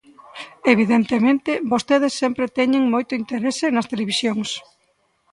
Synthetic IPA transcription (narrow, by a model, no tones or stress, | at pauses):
eβiðent̪emẽnt̪ɪbost̪eðesːɛmpɾet̪ɛɲeŋmojt̪ʊint̪eɾesɪnɐst̪eleβ̞isjoŋs